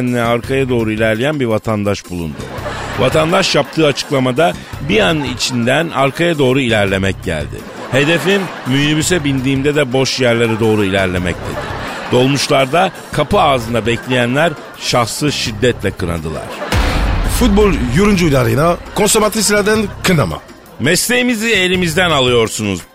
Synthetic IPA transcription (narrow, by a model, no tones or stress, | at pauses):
ninɛaɾkʰajad̪o̞ːɾuilʲæɾlʲejænbiɾvat̪ʰand̪aʃbulˠṵnd̪ʊ̰va̰t̪ʰand̪aʃjap̚t̪ʰɯːat͡ʃʰɯ̥klˠamad̪abianɯit͡ʃʰind̪ænaɾkʰajad̪o̞ːɾuilʲæɾlʲe̞mɛc̚ɟæ̰lʲd̪ɪ̰ | he̞d̪e̞finmylibysɛbind̪iːmd̪ɛd̪ɛbo̞ʃjæɾlʲˠaɾad̪o̞ːɾuilʲæɾlʲe̞mɛ̰c̚d̪ʰe̞̰d̪ɪ̰d̪o̞lˠmuʃlˠaɾd̪a | kʰapɯaːzɯnd̪abɛclʲejænlʲæɾ | ʃaxsɯʃid̪ːɛt̪lʲɛkʰɯɾa̰nd̪ɯlˠa̰ɾ̥ | fut̪̚bolʲˠjuɾund͡ʒuujlaɾɯjnakʰo̞nsɛɾvat̪ɾisilʲæɾd̪ænkʰɯnama̰ | mɛslʲe̞jimiziejɾimizd̪ænalˠɯjo̞ɾsunuz̥